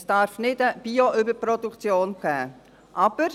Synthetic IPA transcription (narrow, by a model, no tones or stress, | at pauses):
sd̥ɑɾfnɪdəb̥iːoʔʏbəɾpɾɔdukt͡sjoːnɡɛ̰ː | ʔɑb̥əɾ